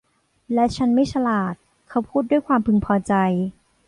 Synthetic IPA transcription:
lɛ˦˥t͡ɕʰa˦˥nma˥˩jt͡ɕʰa˧laː˨˩t̪̚ | kʰa˦˥wpʰuː˥˩t̪̚du˥˩əjkʰwaː˧mpʰɯ˧ŋpʰɔː˧t͡ɕa˧j

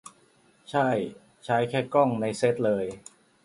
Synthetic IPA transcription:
t͡ɕʰa˥˩j | t͡ɕʰaː˦˥jkʰɛː˥˩kɔ˥˩ŋna˧jse˦˥t̪̚lɤː˧j

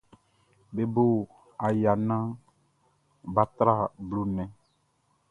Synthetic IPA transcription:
be˨bo˦ | a˨ja˨nã˦ | ba˦t̪ɾa˦˨blu˦nɛ̃˨

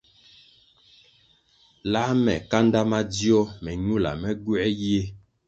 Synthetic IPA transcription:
la˦mɛ˨ka˦nda˦ma˦di˦ɔ˦mɛ˨ɲu˦la̰˨mɛ˦ɡu˦ɛ˦jje˦

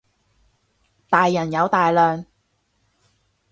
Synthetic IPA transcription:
t̪aː˨jːɐ˨˩njɐ˨˧wt̪aː˨jlœː˨ŋ

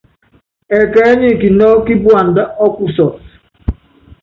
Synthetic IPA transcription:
ɛ˨ka˨˦ɲi˦˨ki˨nɔ˦ki˦bu˦a˨n̩˨da˦ɔ˦ku˦sɔ˨s

